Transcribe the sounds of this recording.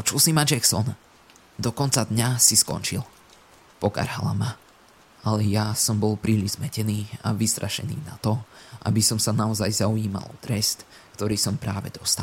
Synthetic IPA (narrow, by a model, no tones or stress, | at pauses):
pɔt͡ʃulsimad͡ʒɛxsɔ̰n | d̪ɔkɔnt͡sad̪ɲasiskɔ̰nt͡ʃil | pɔka̰ɾɦa̰la̰ma | alɛjasɔmbɔlˠpɾiːliʒzmɛcɛniːa̰ʋist̪ɾʔaʃɛ̰nḭːna̰t̪ɔʔa̰bisɔmsanaɔzajzauiːma̰lˠɔ̰t̪ɾɛst̪ | kt̪ɔɾiːsɔmpɾaːʋɛ̰d̪̥ɔst̪al